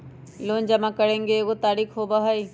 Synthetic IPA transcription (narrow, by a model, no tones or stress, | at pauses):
loːnd͡ʑɐmãkɐɽẽŋɡeɡot̪aːɾiːxɦoːbaɦai